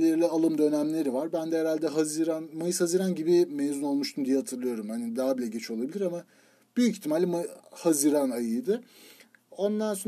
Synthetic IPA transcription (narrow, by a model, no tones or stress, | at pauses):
eɾlʲɛalˠɯmd̪ø̞næmlʲe̞ɾivaɾbænd̪ɛɛɾalʲd̪ɛɦaziɾanmajɯshaziɾanɟibimeːzuno̞lˠmuʃt̪ʰumd̪ijɛhat̪ʰɯɾlˠɯjo̞ɾumhanid̪aːbilʲɛɟet͡ʃʰolˠabilʲiɾama | b̥yjyci̥çt̪ʰːimalʲimahaziɾanajɯjd̪ɯ | o̞nd̪anso